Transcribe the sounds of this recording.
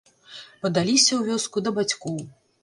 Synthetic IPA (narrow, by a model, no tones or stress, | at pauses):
pɐd̪alʲisʲɐwvʲɔskud̪ɐbat͡sʲkɔw